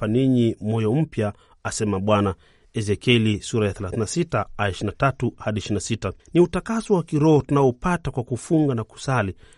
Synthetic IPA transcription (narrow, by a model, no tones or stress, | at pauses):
paniɲimɔjɔm̩pjaː | sɛmaɓwana | ɛzɛkɛlisuɾajaθɛlaθinasitaaɛʃinatatuhaɗiɛʃɾinasitaniutakasɔwakiɾɔɔtunaɔpatakwakufuŋɡanaku̥sali